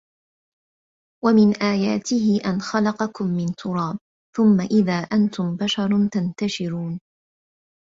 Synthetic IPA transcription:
wamɪnʔaːjaːt̪ɪhɪʔanxɑlɑqɑkʊmːɪnt̪ʰʊɾˤɑːb | θʊmːaʔɪðaːʔant̪ʊmbaʃɑɾˤt̪ant̪aʃɪɾuːn

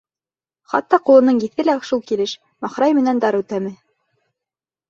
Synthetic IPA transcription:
χɑ̰t̪ːɑqulˠɤ̆nɤɴjɘ̆θɘlæʃulˠkilɘʃ | mɑχɾɑjmɘ̆nænd̪ɑɾʉt̪æmɘ

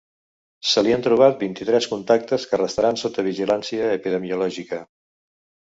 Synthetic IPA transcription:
səliənt̪ɾuβ̞at̪̚bint̪it̪ɾɛskunt̪ak̚t̪əskərəst̪əɾansot̪əβiʒilansiəːpiðəmiulɔʒikə

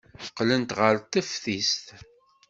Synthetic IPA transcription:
fəqːlənt̪ʁəɾt̪əfθist̪

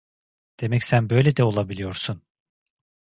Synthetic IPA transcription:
d̪̥e̞mɛcsænbø̞jlʲed̪ɛo̞lˠabilʲijo̞ɾsun

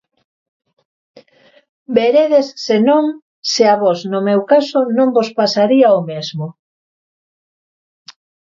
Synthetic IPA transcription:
beɾeðesːenõŋ | sɪaβɔsnomewkasonõŋbospasaɾiaomezmo

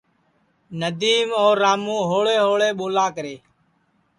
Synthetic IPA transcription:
nəd̪iːmoːɾːaːmũːɦoːɭeːɦoːɭeːɓoːlaːkəɾeː

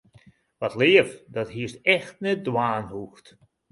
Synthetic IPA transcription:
ʋɔtlɪəfdɔtɦiəstɛxtnɛt̚dwaːnhuxt

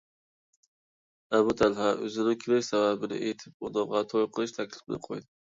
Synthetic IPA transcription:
abʊt̪ʰalhaɵ̰zɪnɪkʲʰɪɾekʲsababɪnɪ̰ʔet̪ʰɪp̚ɒd̪ɒmʁɑt̪ʰojqʰɨlˠɪʃt̪ʰakʲʰlɪ̥fɪnɪ̰qʰojd̪ɪ

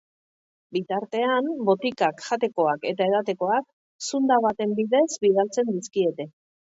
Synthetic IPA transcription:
bit̪aɾt̪e̞ambo̞t̪ikakxat̪e̞ko̞ake̞t̪ae̞ðat̪̬e̞ko̞ak̚ | sund̪aβat̪e̞mbiðe̞zbiðalt͡se̞nd̪iskie̞t̪e̞

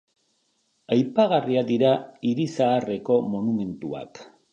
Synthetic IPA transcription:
ajpaɣariad̪iɾaiɾisaːre̞ko̞mo̞nume̞nt̪ua̰k

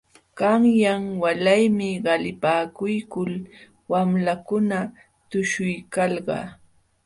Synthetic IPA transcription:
ɢ̥ɑŋjaŋwalajmɪɢɑlɪpaːkʊjkʊl | wamlakʊna | t̪ʊʃʊjkɑlɢɑ̰

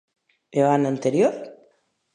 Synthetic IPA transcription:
eβanant̪eɾjoɾ

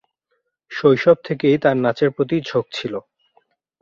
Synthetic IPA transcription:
ʃojʃɔb̚t̪ʰekejt̪aɾnat͡ɕeɾpɾot̪̬id͡ʑʱoɡ̚t͡ɕʰilo

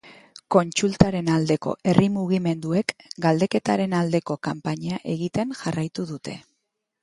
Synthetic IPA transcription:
ko̞nt͡sult̪aɾe̞nald̪e̞ko̞̰ʔe̞rʔimuɣime̞nd̪ue̞kɡald̪e̞ke̞t̪aɾe̞nald̪e̞ko̞kampaɲaʔe̞ɣit̪e̞ŋʝarajt̪uðut̪e̞

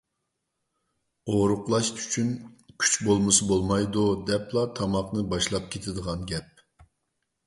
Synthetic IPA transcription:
oɾʊqlˠɑʃy̥t͡ʃʰynkʲʰy̥t͡ʃbolˠmɨsɨbolˠmɑjd̪ud̪ɛplˠɑt̪ʰɑmɑqnɨbɑʃlˠɑp̚kʲʰet̪ʰɪd̪əʁɑnɡʲɛp̚

